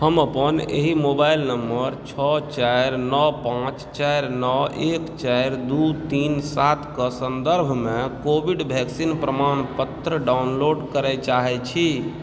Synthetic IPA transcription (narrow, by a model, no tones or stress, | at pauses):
həməpənḛɦimobailnəmːəɾt͡ʃʰɔt͡ʃaɪɾnɔpãt͡ʃt͡ʃaɾnɔekt͡ʃaɪɾd̪ut̪insat̪ʰkəsənd̪əɾbʱmẽkobiɖbʱɛksinpɾəmanpət̪ɾəɖaunloɖkəɾɛt͡ʃaɦɛt͡ʃʰi